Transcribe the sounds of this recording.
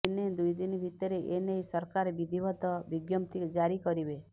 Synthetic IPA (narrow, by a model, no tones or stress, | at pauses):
ined̪ujd̪inibʱit̪ɔɾeʔenejsɔɾkaɾebid̪ʱibɔd̪ʱɔbiɡjɔmt̪ikd͡ʒaɾikɔɾibe